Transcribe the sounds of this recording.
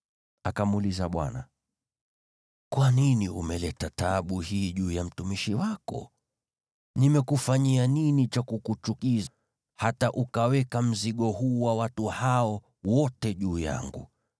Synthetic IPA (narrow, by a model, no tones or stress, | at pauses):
akamulizaɓwa̰na̰ | kwaniniumɛlɛtataɓuhiːʄuːjam̩tumiʃiwakɔ̰ | nimɛkufaɲianinit͡ʃakukut͡ʃukiz | hataʔukawɛkam̩ziɠɔhuːwawatuhaɔ | wɔtɛʄuːja̰ŋɡṵ